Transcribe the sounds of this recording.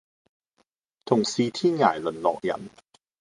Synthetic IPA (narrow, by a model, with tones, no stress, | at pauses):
t̪ʰo˨˩ŋsiː˧t̪ʰiː˥˩ŋaː˨˩˦jlo˨˩˦nlɔ̰ː˨˩k̚ja̰˨˩˦n